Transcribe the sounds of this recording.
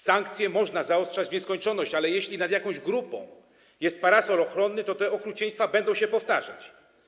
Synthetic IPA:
saŋkt̪sʲjɛmɔʐnazaɔstʂad͡ʑvɲɛskɔɲt͡ʂɔnɔɕt͡ɕalɛjɛɕlʲinad̪jakɔ̃w̃ʑɡɾupɔ̰̃w̃ | jɛst̪̚paɾasɔlɔxɾɔnːɘt̪ɔt̪ɛɔkɾut͡ɕɛj̃st̪fabɛnd̪ɔ̃w̃ɕɛpɔft̪aʐa̰t͡ɕ

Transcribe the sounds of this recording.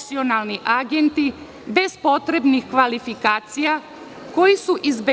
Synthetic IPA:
sio̞nalˠniʔaɡe̞nt̪i | be̞zpo̞t̪ɾe̞bnixkʋalifikaːt̪sija | ko̞jisuʔizbe

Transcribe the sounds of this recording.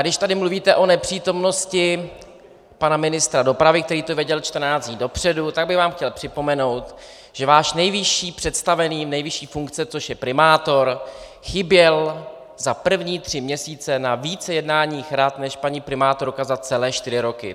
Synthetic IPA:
ɡdɪʃt̪adɪmluviːt̪ɛʔo̞nɛpr̥iːt̪o̞mno̞scɪ | panamɪnɪst̪ɾado̞pɾavɪk̚t̪ɛɾiːt̪ovjɛɟɛlt͡ʃt̪r̩naːt͡sɲiːdo̞pr̝̥ɛdut̪aɡ̚bɪɣvaːmxcɛlpr̥ɪpo̞mɛno̞wt̪ | ʒ̥ɛvaːʃnɛjvɪʃiːpr̝̥ɛt̪st̪avɛniːnɛjvɪʃiːfuŋkt͡sɛt͡so̞ʃjɛpɾɪmaːt̪o̞ɾ | xɪbjɛl | zapr̩vɲiːt̪r̝̥ɪmɲɛsiːt͡sɛnaviːt͡sɛjɛdnaːɲiːxɾat̪nɛʃpaɲipɾɪmaːt̪o̞ɾkazat͡sɛlɛːʃt̪ɪɾɪɾo̞kɪ̰

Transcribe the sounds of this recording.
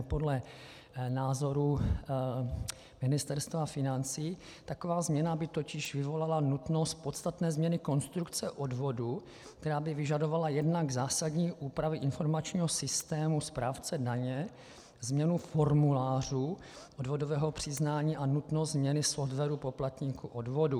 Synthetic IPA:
po̞dlɛ | naːzo̞ɾu | mɪnɪst̪ɛɾst̪vafɪnant͡siː | t̪ako̞vaːzmɲɛnabɪt̪o̞cɪʃvɪvo̞lalanut̪no̞st̪̚po̞t̪st̪at̪nɛːzmɲɛnɪko̞nst̪ɾukt͡sɛʔo̞dvo̞du | kt̪ɛɾaːbɪvɪʒado̞valajɛdnaɡzaːsadɲiːʔuːpɾavɪʔɪnfo̞ɾmat͡ʃɲiːɦosɪst̪ɛːmuspɾaːft͡sɛdaɲɛ | zmɲɛnufo̞ɾmulaːr̝uː | ʔo̞dvo̞do̞vɛːɦopr̝̥ɪznaːɲiːʔanut̪nost̪zmɲɛnɪsoft̪vɛɾupo̞plat̪ɲiːkuʔodvo̞du

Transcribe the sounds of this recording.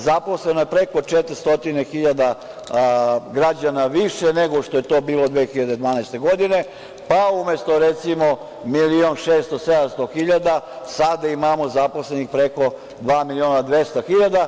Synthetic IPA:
zapo̞slenojepɾeko̞t͡ʃet̪ɾist̪o̞t̪inexiʎad̪a | ɡɾad͡ʑanaʋiʃeneɡoʃt̪oje̞t̪o̞ːbiːlo̞d̪ʋeːxiʎad̪ed̪ʋaːnɛjst̪e̞ɡo̞d̪ine̞ | paumjest̪oɾet̪simo | milionʃeːst̪osed̪amst̪oxiʎad̪a | sad̪aimamo̞zaposlenixpɾeko̞ | d̪ʋaːmilionad̪ʋest̪oxiʎad̪a

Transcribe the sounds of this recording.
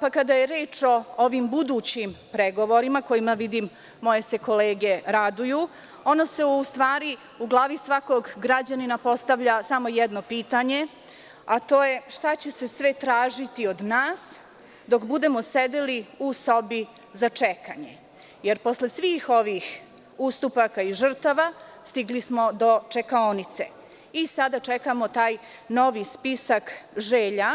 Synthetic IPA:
pakad̪ajeɾeːt͡ʂo̞oʋimbud̪uːt͡ɕimpɾeɡo̞ʋo̞ɾimako̞jimaʋid̪imː | o̞je̞se̞ko̞leːɡeɾad̪uju | o̞nose̞ust̪ʋaːɾi | uɡlˠaːʋisʋako̞ɡːɾad͡ʑaninapo̞st̪aʋʎasamo̞jɛd̪no̞piːt̪aɲe̞ | at̪o̞ːje̞ʃt̪at͡ɕe̞sesʋet̪ɾaːʒit̪io̞d̪naːs | d̪o̞kbud̪emosed̪eliuso̞bi | zat͡ʂeka̰ɲḛ | jeɾpo̞slesʋiːxo̞ʋix | ust̪upakaiʒr̩t̪aʋast̪iɡlismod̪ot͡ʂekaonit̪sḛ | isad̪at͡ʃekamo̞t̪aːj | no̞ʋispisakʒeːʎa

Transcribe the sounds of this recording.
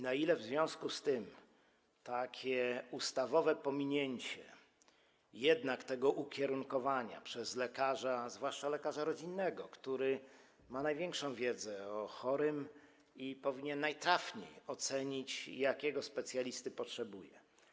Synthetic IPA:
nailɛvzvʲjɔ̃w̃skust̪ɘm | t̪akʲʰɛust̪avɔvɛpɔmʲiɲeɲt͡ɕɛ̰ | jɛd̪nakt̪ɛɡɔʔukʲɛɾuŋkɔvaɲa̰pʂɛzlɛkaʐazvwaʂt͡ʂalɛkaʐaɾɔd͡ʑinːɛɡɔkt̪uɾɘ | manajvʲjɛŋkʂɔ̃w̃vʲjɛd̪zɛɔxɔɾɘm | ipɔvʲiɲɛnːajt̪ɾafɲḛjɔt̪sɛɲit͡ɕjakʲɛɡɔspɛt̪sʲjalʲist̪ɘpɔtʂɛbujɛ

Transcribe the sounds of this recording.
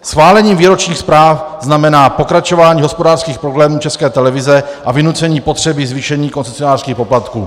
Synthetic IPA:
sxvaːlɛɲiːmviːɾo̞t͡ʃɲiːxspɾaːfznamɛnaːpo̞kɾat͡ʃo̞vaːɲiːɦospodaːrskiːxpɾoblɛːmuːt͡ʃɛskɛːt̪ɛlɛvɪzɛʔavɪnut͡sɛɲiːpo̞t̪r̝̥ɛbɪzviʃɛɲiːkont͡ssɛsionaːr̥skiːxpo̞plat̪kṵː

